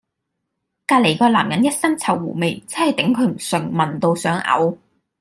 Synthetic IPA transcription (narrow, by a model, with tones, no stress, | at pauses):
kaː˧t̚le˨˩jkɔː˧la̰ː˨˩mjɐ˨˥njɐ˥t̚sɐ˥nt͡sʰɐ˨˩wːuː˨˩me˨˩jt͡sɐ˥hɐ˨˩jt̪ɪ˨˥ŋkʰɵ˨˧ɥm̩˨˩sɵ˨˩ŋmɐ˨nt̪o˧wsœː˨˥ŋʔɐ̰˨˧˥w